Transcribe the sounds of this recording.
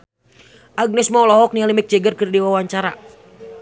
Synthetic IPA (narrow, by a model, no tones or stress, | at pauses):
ʔaɡ̚nɛsmawlɔɦɔk̚nialimɛk̚t͡ʃɛɡərkərdiwawaɲt͡ʃaɾa̰